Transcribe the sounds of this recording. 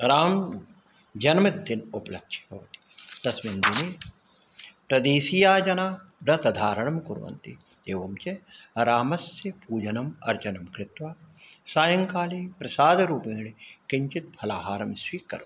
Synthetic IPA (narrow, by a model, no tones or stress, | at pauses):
ɾaːm | d͡ʒɐnmɐd̪ɪnoplɐ̰kʃi̥ɦɐ̰ʋt̪i̥d̪̥ɐsmind̪ine | pɾɐd̪eːsijaːd͡ʒɐnaːbɾɐt̪ɐd̪ʱaːɾɐɳɐmkʊɾʋɐ̰nt̪i | d̪eːʋɐmt͡ʃeɾaːmɐsjɐpuːd͡ʒɐnɐmɐ̰ɾt͡ʃɐnɐmkɾɪt̪ʋaːsaːjɐŋkaːliːpɾɐsaːd̪ɐɾuːpẽːɳikɪɲt͡ʃit̪̚pʰɐlaːɦaːɾɐmsʋiːkɐ̰ɾ